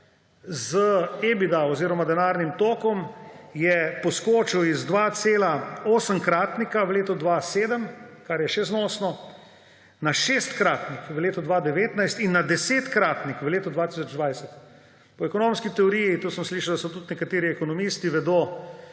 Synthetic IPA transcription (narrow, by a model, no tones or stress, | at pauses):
zəebid̪aɔziːɾɔmad̪ɛnaːɾnimt̪oːkɔmjɛpɔskoːt͡ʃiwizd̪ʋaːt̪seːlaoːsəmkɾaːt̪nikaʋəleːt̪ɔd̪ʋaseːd̪əmkaɾjɛʃɛznɔːsnɔ | naʃeːst̪kɾaːt̪nikʋəleːt̪ɔd̪ʋaːd̪ɛʋeːt̪najst̪inːad̪ɛseːt̪kɾaːt̪nikʋəleːt̪ɔd̪ʋaːt̪isɔd͡ʒd̪ʋajsɛt̪ | pɔɛkɔnomskit̪ɛɔɾijit̪uːsəmsliːʃawd̪asɔt̪ut̪nɛkat̪eːɾiɛkɔnɔmist̪iʋɛd̪oː